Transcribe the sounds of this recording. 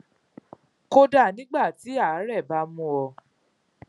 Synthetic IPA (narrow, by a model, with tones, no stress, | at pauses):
ko˧da˦˨nĩ˦ɡ͡ba˦˨ti˨˦a˦˨˦ɾɛ˦˨ba˨˦mũ˦wɔ˧